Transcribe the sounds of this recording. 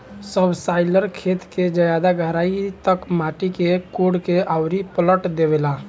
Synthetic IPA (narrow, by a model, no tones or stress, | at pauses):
səbsaɪləɾkʰet̪ked͡ʒəjad̪aɡʱəɾaːit̪əkmaʈikekoɽkeʔaʊɾipələʈd̪eʋela